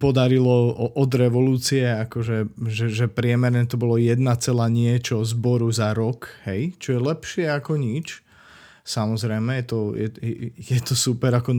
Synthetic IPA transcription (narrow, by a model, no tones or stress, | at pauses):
pɔd̪aɾilɔɔʔɔd̪ɾɛʋɔluːt͡siɛakɔʒɛʒɛʒɛpɾɪɛmɛɾnɛt̪ɔbɔlɔjɛd̪nat͡sɛlaːɲɪɛt͡ʃɔzbɔɾuzaɾɔkhɛjt͡ʃɔjɛlɛpʃɪɛakɔɲit͡ʃ | samɔzɾɛjmɛjɛt̪ɔjɛjɛt̪ɔsupɛɾakɔn